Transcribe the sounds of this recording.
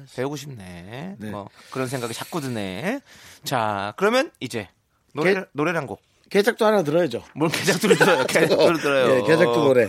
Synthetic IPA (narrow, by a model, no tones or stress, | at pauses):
teoɡoɕʰimnḛʌkɯɾʌnsʰeŋɡaɡit͡ɕak̚k͈udɯnḛ | t͡ɕakɯɾʌmjʌnid͡ʑe̞ | noeɾnoɾeɾɦanɡo | ked͡ʑak̚t͈oɦanat̬ɯɾʌjed͡ʑomunked͡ʑak̚t͈uɭtɯɾʌjoked͡ʑakuɾɭtɯɾʌjoeked͡ʑat͈ooɾe